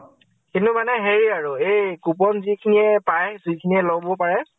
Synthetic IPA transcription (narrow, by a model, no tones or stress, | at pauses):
kintʊmanɛɦeɹiaɹuejkup̬ɔnzikʰiniɛpajzukʰiniɛlɔɡbɔpaɹɛ